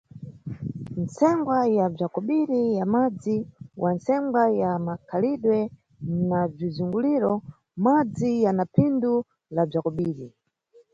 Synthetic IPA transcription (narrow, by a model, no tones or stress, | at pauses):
n̩sɛŋɡwajab͡ʐakɔɓiɾijamad͡ziwʔansɛmɡajamakʰaliɗwɛ | nab͡ʐizuŋɡuliɾɔ | mad͡zijanapʰindu | lab͡ʐakɔɓiːɾi